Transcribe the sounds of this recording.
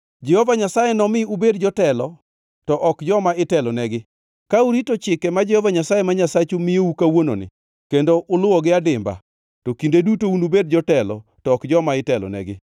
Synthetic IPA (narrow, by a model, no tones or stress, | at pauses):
d͡ʒɛhɔvaɲasajenɔmɪubedd͡ʒɔtɛlɔ | tɔʔɔkd͡ʒɔmaɪtɛlɔnɛɡɪ | kauɾitot͡ʃɪkɛmad͡ʒɛhɔvaɲasajemaɲasat͡ʃumɪeukawono̰nɪ̰ | kendoʔʊlʊwɔɡɪadɪmba̰ | tokindedutounubed̚d͡ʒɔtɛlɔ̰tɔːkd͡ʒɔmaɪtɛlɔ̰nɛ̰ɡɪ